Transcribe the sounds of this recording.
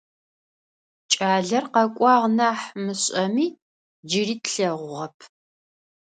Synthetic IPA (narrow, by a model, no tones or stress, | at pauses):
t͡ʃʼaːɮɐrqɐkʷʼɑːʁnaːħmɨɕʼɐmiː | d͡ʒɪɾiːtʰɬɐʁʷʊʁɐpʰ